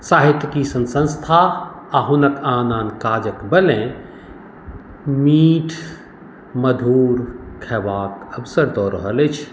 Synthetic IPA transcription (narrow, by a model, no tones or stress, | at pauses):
saːɦit̪jkisɐ̃nsə̃nst̪ʰaː | aɦunəkaːnaːnkaːd͡ʒəkbəlẽ | miːʈʰ | məd̪ʱuːɾkʰɛʋaːkəbsəɾd̪ɔːɾəɦəlet͡ʃʰ